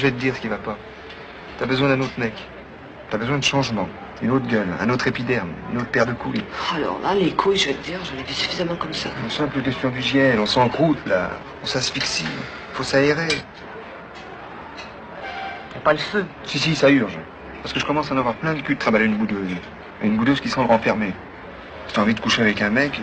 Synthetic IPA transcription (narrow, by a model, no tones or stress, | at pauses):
ʒəvɛt̪əd̪iʁsə̥kʲivapa | t̪yabəzwɛ̃d̪ɛ̃not̪χmɛk | t̪yabəzwɛ̃d̪əʃɑ̃ʒmɑ̃ | ynot̪χɡʲœlɛ̰̃not̪χepid̪ɛʁmy̰not̪χpɛʁd̪əkujalɔ̰ʁla̰lekʰujiʒvɛt̪əd̪iːʁʒanɛvisy̥fizamɑ̃kɔmsaɔ̃sɛ̃pləkʲɛst̪jɔ̃d̪yʒjɛnɔ̃sɑ̃ɑ̃kχut̪la̰ | ɔ̃sãsfiksi | ifosaeʁe | japaləføsisisayʁʒ | paʁsə̥kəʒəkɔmɑ̃sanavwaʁplɛ̃d̪əkʲyd̪ət̪χabaleynbud̪øz | aynbud̪øzkʲisɑ̃blʁɑ̃fɛʁme | t̪yɑ̃vid̪əkuʃeavɛkɛ̃mɛk